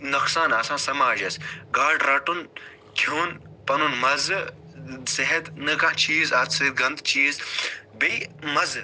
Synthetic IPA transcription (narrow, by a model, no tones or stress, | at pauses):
nɐksaːnɐsãːsɐmaːʒɐsɡaːɖɾɐʈun | kʰuːn | pɐnunmɐzɨ | seɦɐt̪nɨkãːt͡ʃʰiːzɐt̪set̪̚ɡɐ̃nd̪t͡ʃʰiːzbejmɐz